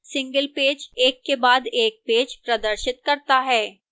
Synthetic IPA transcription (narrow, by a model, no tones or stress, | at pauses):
sɪ̃ŋɡəlpeːd͡ʒeːkːebaːd̪eːk̚peːd͡ʒpɾɐd̪əɾʃɪt̪kɐɾt̪aɦɛː